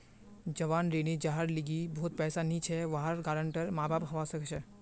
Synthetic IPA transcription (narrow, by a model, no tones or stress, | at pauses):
d͡ʒɐʋaːnɾeːnid͡ʒaːɦəɾlɪɡibɔɦʊt̪̚pɛːsanĩt͡ʃʰɛʋaːɦaɾɡaːɾə̃ɳʈəɾmaːbʱaːpɦɐʋasɐkt͡ʃʰɛ